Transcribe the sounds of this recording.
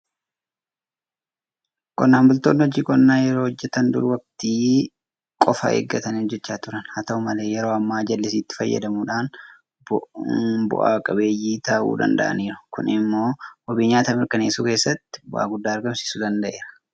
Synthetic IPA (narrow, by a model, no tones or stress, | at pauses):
kʼɔnːaːmbʊlt̪oːnːɪhɔd͡ʒiːkʼɔnːaːjɛɾoːhɔd͡ʒːɛt̪ɐnd̪ʊ̰ɾʊwɐkt̪iː | kʼɔfɐ̰ʔḛːɡːɐt̪ɐnːhɔd͡ʒːɛt͡ʃːaːt̪ʊɾɐnhɐt̪ɐʊmɐle̞ːjɛɾo̞ːɐmːaːd͡ʒɐlːɪs̬iːt̪ːɪ̥fɐjːɐ̰d̪ɐmuːᶑaːn | bʊ̰ʔa̰ːkʼɐbe̞ːjiːt̪ɐʔṵːd̪ɐ̰nd̪ɐ̰ʔɐ̰niːɾɐ̥kʊnɪmːo̞ːwɔbiːɲaːt̪ɐmɪɾkɐneːsuːke̞ːsːɐt̪ːɪ̥bʊ̰ʔa̰ːɡʊd̪ːaːɐɾɡɐmsɪ̥suːd̪ɐnd̪ɐʔe̞ːɾɐ